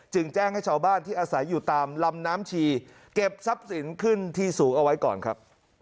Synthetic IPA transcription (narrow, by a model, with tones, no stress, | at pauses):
t͡ɕɯ˧ŋt͡ɕɛː˥˩ŋha˥˩jt͡ɕʰaː˧wbaː˥˩nt̪ʰiː˥˩ʔaː˧sa˩˦jːuː˨˩t̪aː˧mla˧mnaː˦˥mt͡ɕʰiː˧ | ke˨˩p̚sa˦˥p̚si˩˦nkʰɯ˥˩nt̪ʰiː˥˩suː˩˦ŋʔa˧wa˦˥jkɔ̰ː˨˩nkʰa˦˥p̚